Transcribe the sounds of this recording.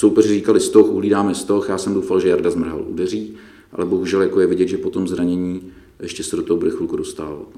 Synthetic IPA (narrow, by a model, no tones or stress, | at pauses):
sowpɛrɪriːkalɪst̪o̞xʔuɦliːdaːmɛst̪o̞xjaːsɛmdowfalʒɛjaɾdazmr̩ɦa̰lʔudɛr̝iː | ʔa̰lɛbo̞ɦuʒɛljakojɛvɪɟɛt̪ʒɛpot̪o̞mzɾaɲɛɲiː | jɛʃcɛsɛdot̪oɦobɾɪxulkudo̞st̪aːla̰